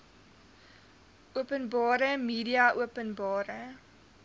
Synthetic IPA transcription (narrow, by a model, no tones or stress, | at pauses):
uəpənbɑːɾəmiːdiɐʔuəpənbɑːɾə